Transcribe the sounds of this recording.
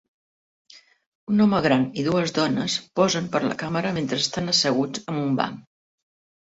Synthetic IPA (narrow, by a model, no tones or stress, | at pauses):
unɔməɣ̞ɾaniðuəzðɔnəspɔzəmpəɾlə̰kaməɾəment̪ɾəst̪anəsəɣ̞ut͡sd͡zəmumba̰m